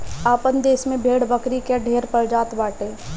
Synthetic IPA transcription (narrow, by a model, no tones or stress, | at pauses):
aːpənd̪eːsmẽbʱeːɽbəkɾikeɖʱeːɾpəɾd͡ʒaːt̪baːʈeː